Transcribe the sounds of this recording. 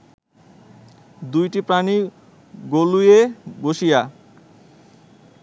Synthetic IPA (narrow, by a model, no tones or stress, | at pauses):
d̪ujʈipɾani | ɡolujeɡoʃija